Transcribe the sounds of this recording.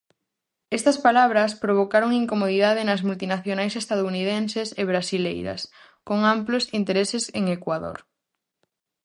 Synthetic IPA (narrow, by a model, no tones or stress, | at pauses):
ɛst̪ɐspalaβ̞ɾɐspɾoβ̞okaɾoŋiŋkomoðiðaðenɐzmult̪inaθjonajsest̪að̞ounið̞enseseβ̞ɾasilejɾɐ̰s | koŋamplosint̪eɾeseseŋekwaðo̰ɾ